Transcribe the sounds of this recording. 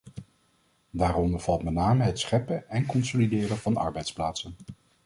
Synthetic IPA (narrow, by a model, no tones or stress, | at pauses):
daːrɔndəɹv̥ɑlˠtmɛtnaːməɦɛtsχɛpəɛnkɔnsolidɪːrənvɑnɑ̰ɹbɛjtsplaːtsən